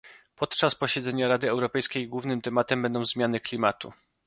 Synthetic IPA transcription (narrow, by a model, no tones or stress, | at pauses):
pɔt̪t͡ʂaspɔɕɛd̪zɛɲaɾad̪ɘɛwɾɔpɛjskʲejiɡwuvnɘmt̪ɛmat̪ɛmbɛnd̪ɔ̃w̃zmʲjanɘklʲimat̪ṵ